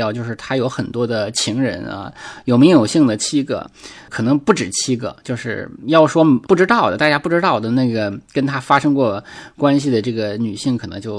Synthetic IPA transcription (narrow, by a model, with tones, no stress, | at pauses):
ʊt͡ɕjo˥˧ʊʂɻ̩˥˩t̪ʰa˥jo˧˥ʊxə˨˩nt̪wɔ˥d̪ə˨t͡ɕʰi˧˥ŋɻə̰˧˥nɐ̰˧jo˨˩ʊm˧˥ŋjo˨˩ʊɕi˥˩ŋd̪ə˩t͡ɕʰi˥ɡɤ̰˧˩kʰɤ˨˩nɤ˧˥ŋpu˥˩ʈ͡ʂɻ̩˨˩t͡ɕʰi˥ɡɤ̰˥˧t͡ɕjo˥˧ʊʂɻ̩˥˧jɑ˥˩ʊʂwɔ˥pu˥˩ʈ͡ʂɻ̩˥t̪ɑ˥˩ʊd̪ə˩t̪a˥˩t͡ɕja˥pu˥˩ʈ͡ʂɻ̩˥t̪ɑ˥˩ʊd̪ə˩na˥˩ɡə˩kə˥nt̪ʰa˥fa˥ʂɤ˥ŋkwɔ˥˩kwa˥nɕi˨d̪ə˩ʈ͡ʂɤ˥˩ɡə˩ny˨˩ɕi˥˩ŋkʰɤ˨˩nɤ˧˥ŋt͡ɕjo˥˩ʊ